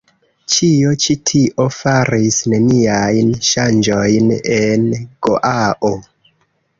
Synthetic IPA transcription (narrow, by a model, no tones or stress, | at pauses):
t͡ʃio̞t͡ʃitʰiʔo̞faɾisne̞niajnʃand͡ʒo̞jne̞nɡ̥o̰ʔaʔo